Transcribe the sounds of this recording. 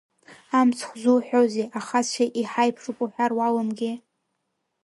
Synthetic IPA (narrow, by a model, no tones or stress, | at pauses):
amt͡sʰχʷzuħʷᶣozeʔaχat͡ɕʷʰaʔiħajpʰʂupʼuħʷᶣarwalɨmɡʲɪ